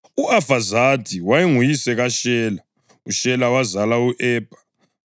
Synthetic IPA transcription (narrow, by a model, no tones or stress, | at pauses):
uafazadʱʼiwajeŋujisɛɣaʃɛːla | uʃɛlawazalauʔɛːb̥ʱḁ